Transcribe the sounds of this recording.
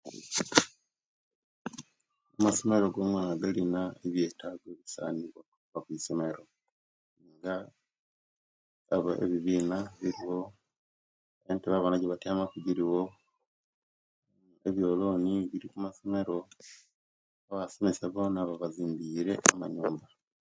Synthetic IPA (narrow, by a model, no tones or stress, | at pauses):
umasomeɾo̞ɡo̞mwaːnaɡalinaeβje̞ːtʰaɡweβisa̰ːniβotu̥uβakwisomeɾo̞ | niːŋɡa | βoʔḛβiβiːnaβiɾiwo̞ | eːnteβaβanaɟeβatiamakuɟiɾiwo | eβjo̞ːlo̞ːniβiɾikumasomeɾo̞ | aβasomesaβo̞ːnaβaβaziːmbiːɾe̞ʔama̰ɲuːmba